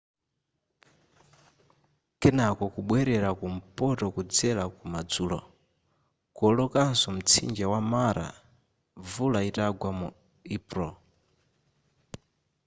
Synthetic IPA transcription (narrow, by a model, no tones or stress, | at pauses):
kɛnakɔkuɓwɛɾɛɾakum̩pɔtɔkud͡zɛlakumad͡zuːlɔ̰ | kɔlɔkansɔm̩t͡sʰḭnd͡ʒawamaɾa̰ | vulaitaɡwamu | ipɾɔ